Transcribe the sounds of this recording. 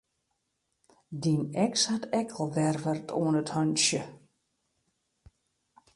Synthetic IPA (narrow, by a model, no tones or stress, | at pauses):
dinɛkshatɛkʰɔlˠʋɛrʋərtʰo̰ənəthœnsjə